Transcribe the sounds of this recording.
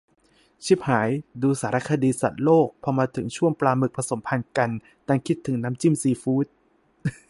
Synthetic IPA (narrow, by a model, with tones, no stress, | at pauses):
t͡ɕʰi˦˥p̚haː˩˦jduː˧saː˩˦ɾa˦˧˥kʰa˧diː˧sa̰˨˩t̪̚loː˥˩k̚pʰɔ˧maː˧t̪ʰɯ˩˦ŋt͡ɕʰu˥˩əŋplaː˧mɯ˨˩k̚pʰa˧so˩˦mpʰa˧nka˧n | t̪aː˧ŋkʰi˦˥t̪ʰːɯ˩˦ŋnaː˦˥mt͡ɕi˥˩msiː˧fuː˦˥t̪̚